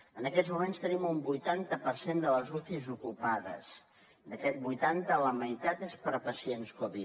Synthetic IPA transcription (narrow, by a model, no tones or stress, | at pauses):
ənəkɛd͡zzmumẽnst̪ənimumbujt̪ant̪əpəɾsend̪ələzuθizukupaðə̰s | d̪əkɛt̪̚bujt̪ant̪ələməjt̪at̪espəɾpəsienskoβi